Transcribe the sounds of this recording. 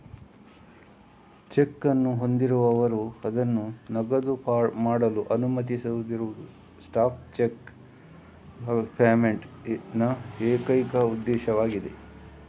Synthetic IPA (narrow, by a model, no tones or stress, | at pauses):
t͡ʃekːɐnːuɦo̞nd̪iɾuʋɐʋɐɾuɐd̪ɐnːunɐɡɐd̪upːmaːɽɐluʔɐnumɐt̪̬isɐud̪iɾuʋuu | sʈaːp̚t͡ʃek | pʰaːmeɳʈnɐeːkɐjkɐud̪ːɛːʃɐʋaːɡid̪e̞̰